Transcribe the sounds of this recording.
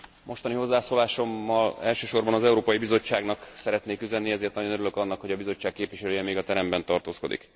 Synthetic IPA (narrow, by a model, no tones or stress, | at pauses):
mo̞ʃt̪ɒniɦo̞zːaːsoːlaːʃo̞mːɒlɛlʃøːʃo̞rbɒnɒzɛuɾoːpɒjibizo̞t͡ʃːaːɡnɒksɛɾɛt̪neːkyzɛnːiɛzeːrt̪nɒɟonøɾyløkɒnːɒkho̞ɟɒbizo̞t͡ʃːaːk̚kːeːpviʃɛløːjɛmeːɡɒt̪ɛɾɛmbɛnt̪ɒrt̪oːsko̞d̪ḭk